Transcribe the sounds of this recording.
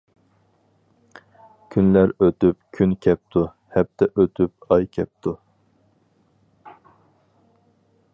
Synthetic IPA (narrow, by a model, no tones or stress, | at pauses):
kʲʰynlæɾøt̪yp̚kʲʰynkʲʰɛp̚t̪ʰu | hɛp̚t̪ʰɛʔøt̪ʰyp̚ɑjkʲʰɛp̚t̪ʰu